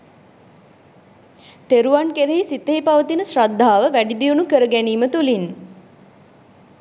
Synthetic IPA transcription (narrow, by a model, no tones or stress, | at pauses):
t̪eɾuʋankeɾeɦisit̪əɦipaʋət̪inəsrad̪ʱːaːʋəʋæɖid̪ijunukəɾəɡæniːmət̪ulin